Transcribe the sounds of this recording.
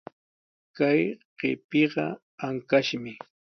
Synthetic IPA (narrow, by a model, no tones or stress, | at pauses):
kajɢ̥ḛpɪɢɑ̰ | aŋkaʃmɪ